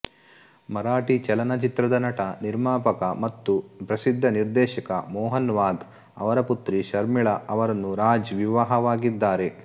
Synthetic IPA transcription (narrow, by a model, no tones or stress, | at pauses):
mɐɾaːʈit͡ʃɛlɐnɐt͡ʃit̪ɾɐd̪ɐnɐʈɐniɾmaːpɐkɐmɐt̪ːupɾɐsid̪ʱːɐniɾd̪ɛːʃɐkɐmɔːɦɐnʋaːɡ | ɐ̰ʋɐɾɐput̪ɾiʃɐɾmiɭɐɐʋɐɾɐnːuɾaːd͡ʒʋiʋaɦɐʋaːɡid̪ːaːɾe̞